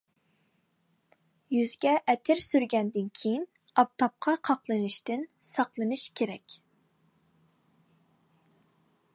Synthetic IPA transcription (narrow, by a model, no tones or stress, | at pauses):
jyzɡʲɛʔɛt̪ʰɪɾsyɾɡʲɛnd̪ɪnkʲʰejin | ɑp̚t̪ʰɑp̚qʰɑqʰɑqlˠɨnɨʃt̪ɪnsɑqlˠɨnɨʃkʲʰeɾɛkʲ